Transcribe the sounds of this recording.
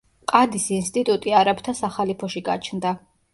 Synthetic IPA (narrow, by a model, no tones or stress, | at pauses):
qʼad̪isinst̪ʼit̪ʼut̪ʼiaɾapt̪ʰasaχalipʰɔʃiɡa̰t͡ʃʰnd̪a